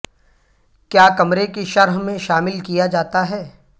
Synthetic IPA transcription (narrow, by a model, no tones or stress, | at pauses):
kjaːkɐmɾekeʃɐɾɦmẽʃaːmɪlkijad͡ʒaːt̪aɦɛː